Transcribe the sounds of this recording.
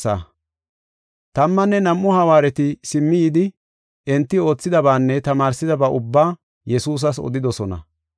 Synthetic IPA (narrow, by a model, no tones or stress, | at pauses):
ɐ̰ | t̪ɐmːɐnːɛnɐmʔːʊhɐwaːɾɛt̪ɪsɪmːɪjɪd̪ɪ | ʔɛnt̪ːɪo̞ːt͡sːɪd̪ɐbaːnːɛt̪ɐmaːɾsɪd̪ɐbaːʔʊbːaː | jɛsuːs̬ɐs̬ɔ̰d̪ɪd̪ɔsɔnɐ̰